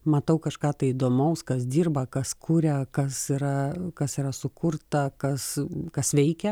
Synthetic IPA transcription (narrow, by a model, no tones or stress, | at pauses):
mɐt̪ɐʊkɐʃkɑːt̪ɐɪid̪oːmɐʊskɐs̬d̪ʲiːrbɐkɐskʰuːɾʲɛkɐsiɾɐkɐsiɾɐsʊkʊrt̪ɐkɐskɐsʋʲɛɪkʲɛ